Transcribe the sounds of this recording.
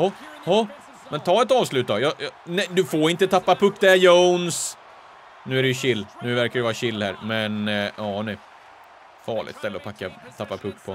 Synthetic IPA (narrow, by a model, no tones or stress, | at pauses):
hɔhɔ | mɛnt̪ʰɑːɛt̪ɑːvslʉ̟ːt̪d̪ɑjɑjɑnɛd̪ɵfoːɾɪnt̪ət̪ʰapːapʰɵkt̪̚d̪ɛjowns | nʉ̟ːæɾɛjɵɕɪlːnʉ̟ːvæɾkaɾɵvɑːɾɕɪlːhæ̰ːɾmɛnɑːnɛ | fɑːɭɪ̰t̪st̪ɛlːəɔpʰakːat̪ʰapːapʰɵk̚t̪pʰɔ